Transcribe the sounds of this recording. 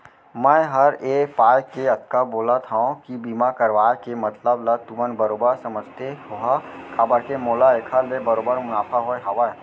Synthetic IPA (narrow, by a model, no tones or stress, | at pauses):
mɛ̃ːɦɐɾeːpaːjkeɐt̪̚kaboːlat̪ʰaõkibiːmakɐɾʋaːekemɐt̪ləblɐt̪uʋənbɐɾoːbəɾsɐməd͡ʒʱt̪eɦʊɦakʰaːbəɾkemoːlaekʰalebɐɾoːbəɾmʊnaːpʰaɦoeɦɐʋə